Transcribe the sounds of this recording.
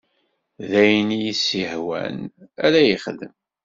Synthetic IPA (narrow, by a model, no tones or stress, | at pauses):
ðæjnijisihwæ̰nælæjəχðə̰m